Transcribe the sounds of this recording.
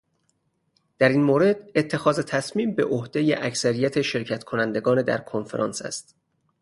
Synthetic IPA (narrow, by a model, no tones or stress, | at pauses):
d̪̥æɾiːnmoːɾe̞d̪̥et̪ʰːe̞xɒːze̞t̪ʰæsmiːmbe̞ʔohd̪e̞jḛʔæcsæɾijæt̪ʰe̞ʃe̞ɾcʰæt̪kʰo̞nænd̪e̞ɡɒːned̪æ̰ɾkʰonfeɾʔɒ̰ːnsæ̰st̪